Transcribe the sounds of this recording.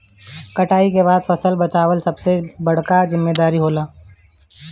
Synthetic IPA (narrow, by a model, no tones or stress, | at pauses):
kɐʈaːikeβaːd̪fʰɐsəlbət͡ʃaːʋəlsɐbsebɐɽ̤kazɪmːeːd̪aːɾiɦoːlaː